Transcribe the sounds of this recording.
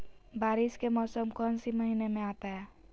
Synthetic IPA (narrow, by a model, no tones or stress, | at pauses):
baːɾiskemɔːsəmkənsiməɦinemẽaːt̪aɦɛ